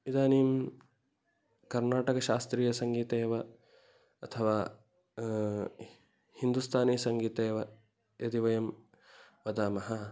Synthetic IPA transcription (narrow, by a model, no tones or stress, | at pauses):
id̪aːniːm | kɐɾnaːʈɐkɐʃaːst̪ɾiːjɐsɐŋɡiːt̪eːʋɐ | ɐt̪ʰɐʋaː | hind̪ust̪ʰaːniːsɐŋɡiːt̪eːʋɐ | jɐd̪iʋɐjɐm | ʋɐd̪aːmɐɦɐ